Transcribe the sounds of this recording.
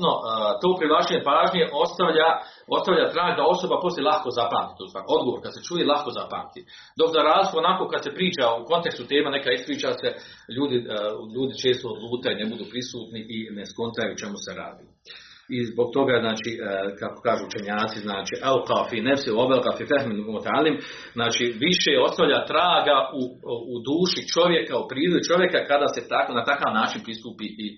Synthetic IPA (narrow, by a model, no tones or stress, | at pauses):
not̪oːpɾiʋat͡ʃeɲepaːʒɲie̞ʔo̞st̪aʋʎao̞st̪aʋʎaːt̪ɾaːɡd̪ao̞so̞bapo̞sʲjelˠahko̞zapaːmt̪i̥t̪uːsaːɾo̞d̪ɡoʋoːɾkad̪set͡ʃuʋiːlˠahkozapa̰ːmt̪i | d̪o̞kzaɾaːzlikoonako̞ːkad̪sepɾiːt͡ʃauko̞nt̪e̞kst̪ut̪e̞ːmane̞kaispɾiːt͡ʃaseʎuːd̪iʎuːd̪it͡ʃe̞ːst̪ood̪lˠuːt̪ajunebud̪uːpɾisuːt̪niʔineskont̪ajut͡ʃe̞museɾa̰ːd̪i | izbo̞ɡ̚t̪o̞ɡaznaːt͡ʃiːkako̥kaːʒuːut͡ʃeɲaːt̪siznaːt͡ʃiʔalqafinɛfsiobɛlqafifɛhminmot̪alim | znaːt͡ʃiːʋiʃeo̞saʋʎaːt̪ɾaːɡauːd̪uːʃit͡ʃo̞ʋje̞kaupɾiːd̪oit͡ʃo̞ʋje̞kakad̪aːset̪akonat̪akaːʋnaːt͡ʃinpɾist̪uːpiːʔi